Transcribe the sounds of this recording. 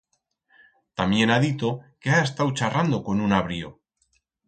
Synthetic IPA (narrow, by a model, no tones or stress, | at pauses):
t̪amje̞naðit̪o̞keaes̬t̪awt͡ʃarand̪o̞ko̞nunaβɾio̰